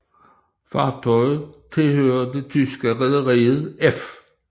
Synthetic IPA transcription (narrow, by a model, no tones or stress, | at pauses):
fɑ̰̈ːt͡sʰɒɪð̩ˠt͡sʰe̝lhøːɐd̥e̝t͡sʰysɡ̥əʁɛðˠəʁiːð̩ˠef